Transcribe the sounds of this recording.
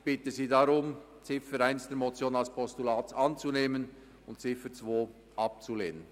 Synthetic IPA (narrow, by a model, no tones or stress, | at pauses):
b̥ɪtəziːdaɾʊm | t͡sɪfəɾaɪnsd̥eːɾmot͡sjoːnalspʰɔstulaːt͡sʔɑnt͡suneːmən | ʊntt͡sɪfət͡sv̥oː | ʔɑp̚t͡suleːnən